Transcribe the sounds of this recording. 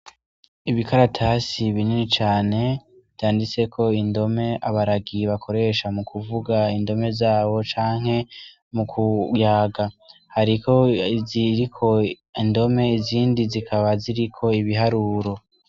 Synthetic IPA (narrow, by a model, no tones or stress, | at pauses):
iβikʰaɾatʰasiβininit͡ʃaːne̞ | jaːndit͡se̞kʰo̞indo̞me̞ʔaβaɾaɡiβakʰo̞ɾe̞ʃamukʰuvuɡaindo̞me̞zaːβo̞t͡ʃaːŋ̥he̞ | mukʰujaːɡahaɾikʰo̞ziɾikʰo̞ | indo̞me̞iziːndizikʰaβaziɾikʰo̞iβiɦaɾuːɾo̞